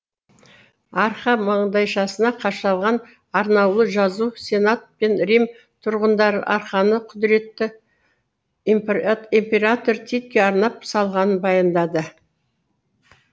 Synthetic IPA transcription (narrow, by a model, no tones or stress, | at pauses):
ɑɾχɑmɑɴd̪ɑjʃɑsənɑqʰɑʃɑlˠʁɑn | ɑɾnɑwlˠəʒɑzusʲe̞nat̪̚pe̞nɾim | t̪ʰʊɾʁənd̪ɑɾɑ̰ɾχɑnəqʰʊd̪ɪɾe̞t̪ːɪ | impʲe̞ɾat̪o̞ɾt̪ʰet̪̚kʲeɑɾnɑp̚sɑlˠʁɑnənbɑjɑnd̪ɑd̪ə